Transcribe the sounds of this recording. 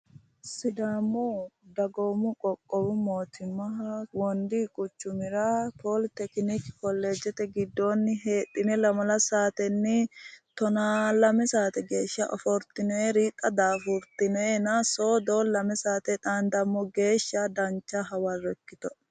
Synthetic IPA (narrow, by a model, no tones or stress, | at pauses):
sɪd̪amːɔd̪ɐɡoːmʊkʼɔkʼːɔwʊmoːt̪ʰɪmːɐwɔnd̪ikʼʊt͡ʃːʊmɪɾɐpoːlt̪ɛknikɪ̥kɔlːeːd͡ʒɛt̪ɛɡɪd̪ːoːnːɪɦe̞ːt̪ʼːɪnɛlɐmɐlɐsaːt̪ɛnːɪt̪ɔnalɐmɛsaːt̪ɛɡe̞ːʃːɐʔɔ̰fɔɾt̪ɪneɾiːt̪ʼːɐd̪aːfʊɾt̪ɪnɛnɐsoːd̪oːlɐmɛsaːt̪ɛᶑ̪aːnd̪ɐmːɔɡe̞ːʃːɐd̪ɐnt͡ʃːɐɦɐwɐrɔɛkːɪt̪ɔ